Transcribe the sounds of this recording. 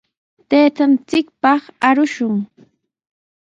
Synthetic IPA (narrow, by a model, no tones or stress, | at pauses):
t̪eːt̪ant͡sɪkpɑχaɾʊʃʊŋ